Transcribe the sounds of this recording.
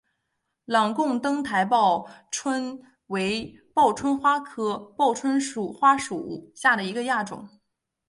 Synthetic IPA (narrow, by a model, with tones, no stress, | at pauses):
lɑ˨˩ŋkʊ˥˩˧ŋt̪ɤ˥ŋt̪ʰa˧˥ɪpɑ˥˩ʊʈ͡ʂʰwə˥n | we˧˥ɪpɑ˥˩ʊʈ͡ʂʰwə˥nxwa˥kʰɤ˥pɑ˥˩ʊʈ͡ʂʰwə˥nʂu˨˩xwa˥ʂu˨˩˥ɕja˥˩d̪ə˩i˧˥ɡə˧ja˥˩ʈ͡ʂʊ̰˨˩˦ŋ